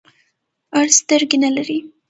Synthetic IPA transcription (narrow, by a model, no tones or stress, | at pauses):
aɽst̪əɾɡenalaɾi